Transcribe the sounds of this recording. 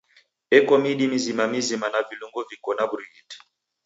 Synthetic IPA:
ɛkɔmiɗimizimamizimanaviluŋɡɔvikɔnabuɾiɡit

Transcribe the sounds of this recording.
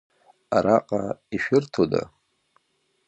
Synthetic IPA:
aɾaqʼaiʃᶣɪrtʰoda̰

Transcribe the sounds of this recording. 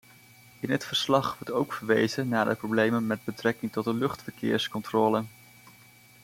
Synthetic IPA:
ɪnətfəɹslɑχʋɔɹtowkfəɹʋejzənaːdə̰prowblejmənmɛd̚bətrɛkɪŋtɔt̚dəlɵχtfəɹkɪ̰ːɹskɔntrɔːlən

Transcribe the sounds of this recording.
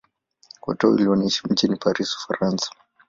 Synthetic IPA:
kwɔ̰tɔḭliɔnaiʃim̩t͡ʃinipaɾisu̥faɾansḁ

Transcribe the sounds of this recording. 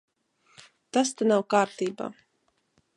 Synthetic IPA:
t̪ast̪anawkaːɾt̪iːba̰ː

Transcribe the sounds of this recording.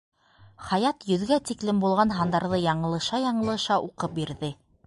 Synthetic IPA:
χɑjɑt̪jɵ̆ðɡæt̪iklɘmbulˠʁɑnɦɑnd̪ɑɾðɤjɑɴɤ̆lˠɤ̆ʃɑjɑɴɤ̆lˠɤ̆ʃɑʔuqɤp̚biɾðɘ

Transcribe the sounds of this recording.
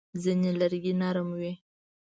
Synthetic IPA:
zənelaɾɡinɑɾəmwe

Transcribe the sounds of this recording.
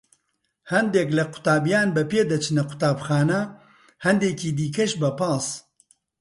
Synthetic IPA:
hɐnd̪eːklɐqʰʊ̥t̪aːbijaːnbɛpeːd̪ɐt͡ʃʰɨnɐqʰʊ̥t̪aːbxaːnɐ | hɐnd̪eːkiːd̪iːkɐʃbɐpaːs

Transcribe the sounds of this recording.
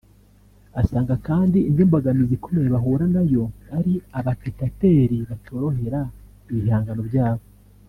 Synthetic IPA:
asaːŋɡakaːndiːndimbaɡamizikomeɾeβaɦuːɾanajo̞aɾiaβatekate̞ːɾiβato̞ːɾo̞he̞ɾa | iβihaːŋɡano̞bjaːβo

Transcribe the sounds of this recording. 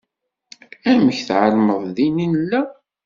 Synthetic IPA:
æməçθʕəɾˤməðˤðininəlːæ

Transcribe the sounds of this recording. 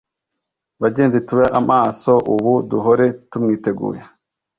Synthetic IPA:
βaɟe̞ːnzituβaʔamʔaːso̞ʔuβuduɦoɾe̞tumŋiːte̞ɡṵːje

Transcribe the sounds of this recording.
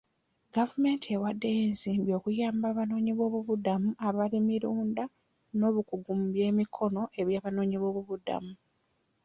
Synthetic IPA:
ɡavume̞ːntʰie̞wadːe̞jeːnziːmbjo̞kujaːmbaːβano̞ːɲiβo̞ːβuβudamuaβalimiɾuːnda | no̞ːβukuɡumbje̞ːmikʰo̞no̞ʔe̞βjaːβano̞ːɲiβo̞ːβuβuda̰mu

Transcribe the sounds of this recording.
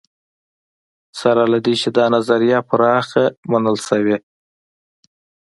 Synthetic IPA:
saɾɑlad̪it͡ʃed̪ɑnazaɾijɑpʰʊɾɑxamanəlsawe

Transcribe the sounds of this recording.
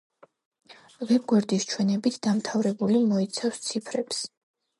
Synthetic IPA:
vɛɡwɛɾd̪ist͡ʃʰwɛnɛbit̪ʰd̪̥amt̪ʰavɾɛbulimɔit̪sʰafst̪sʰipʰɾɛps

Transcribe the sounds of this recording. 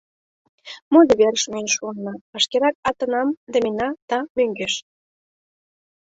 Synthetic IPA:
mod̪əβeɾəʃmønʃunːɑɑʃkeɾɑk̚ɑt̪ə̆nɑmd̪əmenɑt̪ɑmøŋɡeʃ

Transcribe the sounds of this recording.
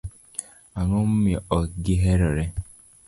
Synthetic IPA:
aŋɔm̩meɔɡiɦeɾɔɾe

